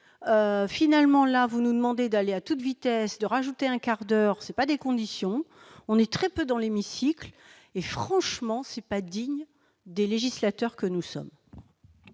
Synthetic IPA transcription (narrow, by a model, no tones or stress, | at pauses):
øfinalmɑ̃lavunud̪əmɑ̃d̪ed̪aleat̪ut̪vit̪ɛsd̪əʁaʒut̪eɛ̃kaʁd̪œʁsɛpad̪ekɔ̃d̪isjɔ̃ | ɔ̃nɛt̪χɛpød̪ɑ̃lemisikl | efχɑ̃ʃmɑ̃sɛpad̪iɲ | d̪eleʒislat̪œʁkənusɔ̰m